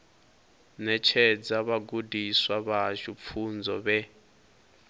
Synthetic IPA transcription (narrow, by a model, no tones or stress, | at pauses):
nɛt͡ʃʰɛd͡zaβaɡudiswaβaʒup̪fʰund͡zɔβɛ